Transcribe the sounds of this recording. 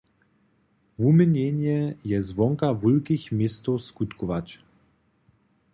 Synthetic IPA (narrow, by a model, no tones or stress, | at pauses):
vuməɲɛɲɛjɛzvɔŋkavulkixmʲɪst̪ɔskut̪kɔvat͡ʃ